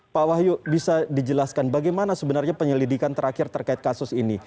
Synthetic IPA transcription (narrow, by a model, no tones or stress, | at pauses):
pawaɦjubisadid͡ʒəlaskanbaɡajmanasəbənarɲapəɲəlidikant̪əɾakɪrt̪ərkaɪt̪̚kasʊsini